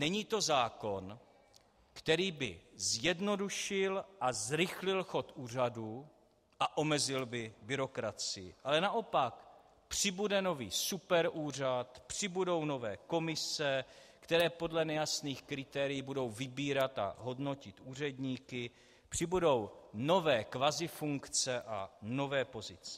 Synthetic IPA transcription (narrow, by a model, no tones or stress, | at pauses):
nɛɲiːt̪o̞zaːko̞n | kt̪ɛɾiːbɪ̰zjɛdno̞duʃɪlʔazɾɪxlɪlxo̞t̪uːr̝aduː | ʔaʔo̞mɛzɪlbɪbɪɾo̞kɾat͡sɪjɪ̰ʔalɛnaʔopak | pr̝̥ɪbudɛno̞vḭːsupɛɾʔuːr̝at̪pr̥ɪbudo̞wno̞vɛːko̞mɪsɛ | kt̪ɛɾɛːpo̞dlɛnɛjasniːxkɾɪt̪ɛːɾɪjiːbudo̞wvɪbiːɾat̪a̰ɦo̞dno̞cɪt̪ʔuːr̝ɛdɲiːkɪ | pr̝̥ɪbudo̞wno̞vɛːkvazɪfuŋkt͡sɛʔa̰no̞vɛːpo̞zɪt͡sɛ̥